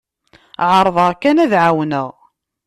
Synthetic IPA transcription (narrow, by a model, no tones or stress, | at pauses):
ʕəɾˤðˤəʁkːænæðʕawnəʁ